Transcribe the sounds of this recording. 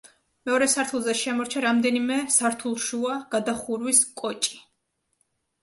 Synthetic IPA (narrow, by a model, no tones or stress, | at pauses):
mɛɔɾɛsaɾt̪ʰulˠzɛʃɛmɔɾt͡ʃʰaɾamd̪ɛnimɛsaɾt̪ʰulˠʃuaɡ̥ad̪aχuɾwiskʼɔt͡ʃʼi̥